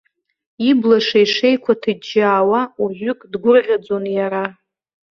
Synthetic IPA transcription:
iblaʂaiʂe̞jkʷʰatʰɨd͡ʒaːwauʒʷʏkʼdɡʷʊrʁʲad͡zonjaɾa

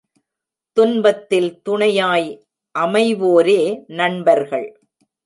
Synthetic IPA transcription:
t̪ʊnbɐt̪ːɪlt̪ʊɳɐjaːj | ʔɐmɐɪʋoːɾeːnɐɳbɐɾɣɐɭ

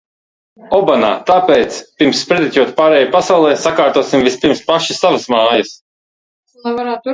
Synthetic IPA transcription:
ɔbana̰ːt̪aːpɛːt̪spʲiɾmsːpɾɛd̪ʲit̪ʲuɔt̪paːɾɛːjapasawlˠɛːsakaːɾt̪uɔsimvispʲiɾmspaʃisavɨsmaːjɐs | aaɾaː

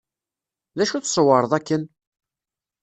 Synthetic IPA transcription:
ðæʃuθsˤəwəɾˤəðˤækːən

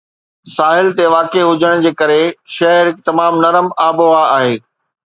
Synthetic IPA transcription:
saːɦɪlt̪eʋaːkeɦʊd͡ʑʱəɽ̃d͡ʑeːkɐɾeʃɐɦəɾɪk̚t̪ɐmaːmnɐɾəmaːboʋaaːɦeː

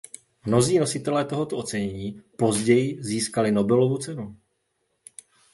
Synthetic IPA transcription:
mno̞ziːno̞sɪt̪ɛlɛːt̪o̞ɦo̞t̪oʔo̞t͡sɛɲɛɲiːpo̞zɟɛjɪziːskalɪno̞bɛlo̞vut͡sɛnu

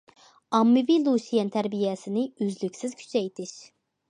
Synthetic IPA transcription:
ɑmːɪvilˠuʃijɛnt̪ʰæɾbijɛsɪnɪyzlykʲsɪz̥kʲʰy̥t͡ʃʰɛjt̪ʰɪʃ

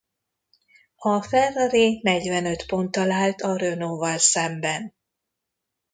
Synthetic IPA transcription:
ɒfɛrːɒɾinɛɟvɛnø̞t̪po̞nt̪ːɒlaːlt̪ɒrønoːvɒlsɛmbɛn

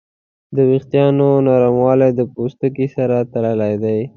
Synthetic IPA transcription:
d̪əwixt̪jɑnonɑɾamwɑlajd̪əpost̪ək̬isaɾat̪aləlajd̪aj

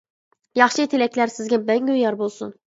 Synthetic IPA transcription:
jɑχʃɯet̪ʰilæcʰlæɾsizɡʲɛbæɲɡøjɑɾbolˠsun

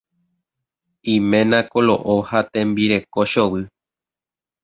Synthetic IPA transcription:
ĩmẽ̞nãkolo̰ʔohat̪ẽ̞mbiɾe̞koʃowɨ

